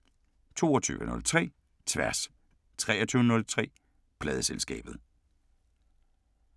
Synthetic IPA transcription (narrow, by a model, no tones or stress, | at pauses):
t͡sʰo̝̰ːɒt͡sʰy̰ːʋənɔ̽lt͡sʰʁɛ̰ː | t͡sʰʋæɐs | t͡sʰʁɛːɐt͡sʰyːʊənɔ̽lt͡sʰʁɛ̰ː | pʰlɛːð̞ˠəselsɡ̥ɛ̰ːb̥ð̩ˠ